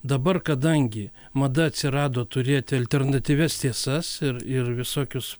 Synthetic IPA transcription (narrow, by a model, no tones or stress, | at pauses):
d̪ɐbɐrkɐd̪ɐŋʲɡʲɪ | mɐd̪ɐɐt̪ʲsʲɪɾɑːd̪oːt̪ʊɾʲeːt̪ʲɪɐlʲt̪ʲɛrnɐt̪ʲiːʋʲɛst̪ʲiɛsɐsɪɾɪɾʋʲɪsoːkʲʊs